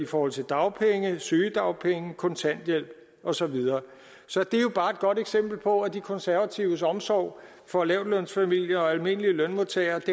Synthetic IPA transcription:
ifɒːhɒ̽l̰t͡sʰe̝ld̥ɑ̈ʊpʰeŋəsyːəd̥ɑ̈ʊpʰeŋəkʰɔ̽nt͡sʰæn̰d̥jel̰b̥ | ʔɒ̽sɒ̽ʋið̞ˠɐː | sɒ̽d̥e̝jo̝b̥ɑ̈ːe̝d̥̚ɡ̥ɒ̽ɾ̥eɡ̥sem̰b̥l̩pʰɒ̽æd̥ikʰɒ̽nsæɐʋæt͡sʰiʊəsɒ̽msɒ̰ʊ̰ | fɒ̽lɛʊd̥lœn̰sfæmil̰jɐɒ̽ælme̝n̰əliəlœnmoðˠt͡sʰɛɪɐd̥e

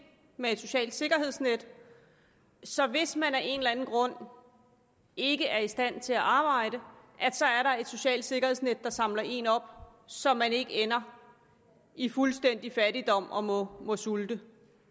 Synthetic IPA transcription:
meed̥so̝ɕɛ̰ːld̥se̝ɡ̥ɐɦe̝ð̰ˠsned̥ | sɒ̽ʋe̝smænæɐʔe̝nlænn̩ɡ̥ʁɔ̽n̰ | e̝ɡ̥əʔæɐisd̥æn̰t͡sʰe̝æʔɑ̈ːb̥ɑ̈ɪ̰ɾ̥ə | ʔæd̥sɒ̽æɐɾɑ̈e̝d̥so̝ɕɛ̰ːld̥se̝ɡ̥ɐhḛsned̥ːɑ̈sɑ̈mlɐʔe̝̰nɒ̽b̥ | sɒ̽mːæne̝ɡ̥əenɐ | ifulsd̥en̰d̥ifæd̥id̥ɒ̽m̰ɒ̽mɔ̽mɔ̽suld̥ə

